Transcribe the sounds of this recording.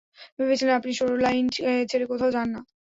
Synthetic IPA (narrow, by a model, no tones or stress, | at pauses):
bebet͡ɕʰilenapniʃoɾolajnet͡ɕʰeɾekot̪ʰaod͡ʑanːa